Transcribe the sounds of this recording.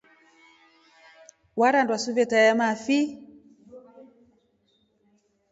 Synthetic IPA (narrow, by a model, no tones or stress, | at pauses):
waɾandwasuvɛtajamafi